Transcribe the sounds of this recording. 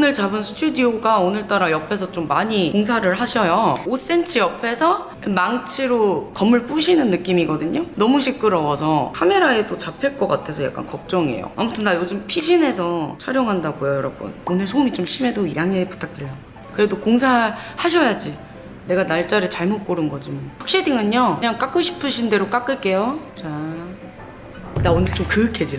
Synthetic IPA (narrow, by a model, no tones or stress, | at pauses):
onɯɭt͡ɕabɯnsʰu̥tʰudioɡaonɯɭt͈aɾajʌpʰe̞s̬ʰʌt͡ɕomːaɲikoŋs̬ʰaɾɯɭɦaɕʰʌjoos͈e̞nt͡ɕʰɯjʌpʰe̞sʰʌ | maŋt͡ɕʰiɾokʌmːɯɭp͈uɕʰinɯnːɯk͈imiɡʌdɯɲonʌmuɕʰik͈̚ɯɾʌwʌsʰʌkʰame̞ɾaedot͡ɕapʰeɭk͈ʌk͈atʰe̞sʰʌja̰k͈a̰nkʌk̚t͡ɕ͈ʌŋiḛjo̰a̰mutʰɯndajod͡ʑɯmpʰiɕʰine̞sʰʌt͡ɕʰaɾjoŋɦandaɡojojʌɾʌbṵnonesʰoumit͡ɕomɕʰime̞doiɾaŋepu̥tʰak̚t͈ɯɭjʌ | kɯɾe̞dokoŋsʰaɦɭhaɕ̬ʰʌjad͡ʑi | ne̞ɡanaɭt͡ɕ͈aɾɯɭt͡ɕaɭmot̚k͈oɾɯnɡʌd͡ʑimaɸak̚ɕ͈idiŋɯɲoɯɲaŋk͈ak͈ɯɭɕʰi̥pʰɯɕʰinde̞ɾok͈ak͈ɯɭk͈e̞jot͡ɕa | daonɯɭt͡ɕomkɯkʰe̞d͡ʑi